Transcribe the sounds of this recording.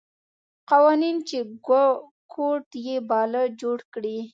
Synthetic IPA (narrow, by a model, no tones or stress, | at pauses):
qawɑnint͡ʃeɡa | kʰoʈjebɑləd͡ʒoɽkɽi